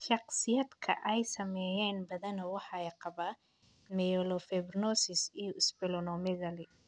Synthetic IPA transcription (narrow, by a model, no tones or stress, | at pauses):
ʃɑqsɪjɐd̪kʰɐ̰ʔɛjsɐmɛːjɛːnbɐðɐnɔwɑħɑɛjqɑβaː | mɛjɔlɔfɛbnɔsɪsijɔɪsbɪlɔnɔmɛɣɐlɪ